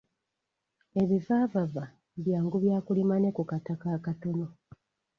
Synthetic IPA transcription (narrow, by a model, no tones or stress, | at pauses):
e̞βivaːvava | βjaːŋɡuβjaːkulimane̞kukatakaːkato̞no̞